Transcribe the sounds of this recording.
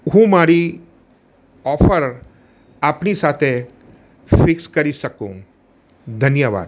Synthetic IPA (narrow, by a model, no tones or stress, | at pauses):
ɦũːmaːɾi | ɔːfəɾ | ɐpnisaːt̪ʰe | fɪkskɐɾisɐkũ | d̪ʱɐnjəʋa̰ːd̪